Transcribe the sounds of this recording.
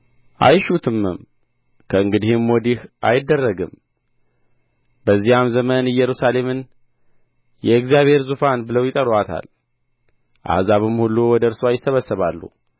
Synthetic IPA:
ʔa̰jʃut̪ʰɨmːɨ̰m | kʰəɨŋɡɨd̪ihɨmːɔd̪ihʔa̰jɪd̪ːərːəɡɨm | b̥əzːijamzəmənɪjɛɾusale̞mɨn | jɛɨkzijaβhe̞ɾzufanbɨləwjɪt̪ʼəɾwat̪ʰa̰l | ʔa̰hzaβɨmhulːuwɔd̪əɨɾsoajɪsːəβəsːəβalːṵ

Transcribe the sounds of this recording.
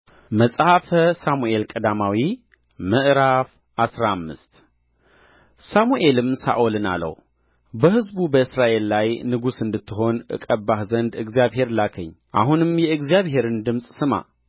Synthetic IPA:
məsʼhafəsamuʔe̞lkʼəd̪amawi | mɨʔɾaf | ʔasɾaamːɨst̪ | samuʔe̞lɨmsa̰ʔolɨna̰lə̰w | bəhɨzbubəɨsɾaʔe̞lːajnɨɡusɨnd̪ɨt̪ʰːɨɦo̞nʔɨ̰kʼəbahzənd̪ɨɡzijaβɦe̞ɾlakʰəɲː | ʔa̰ɦunɨmjɛɨɡzijaβhe̞ɾɨnd̪ɨmsʼsɨma̰

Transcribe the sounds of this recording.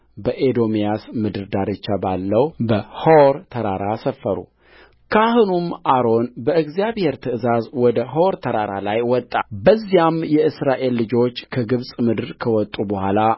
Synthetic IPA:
bəʔed̪o̞mijasmɨd̪ɨɾd̪aɾɨt͡ʃːabalːəwbəhowɾt̪ʰəɾaɾasəfːəɾṵ | kʰahɨnumʔaɾo̞nbəɨɡzijaβhe̞ɾt̪ʰɨɨzazwɔd̪əɦɾt̪ʰəɾaɾa̰lajwɔt̪ʼːabəzːijamjɛɨsɾaʔe̞lːɨd͡ʒo̞t͡ʃːkʰəɡɨβsʼmɨd̪ɨɾkʰəwɔt̪ʼːubəhʷala

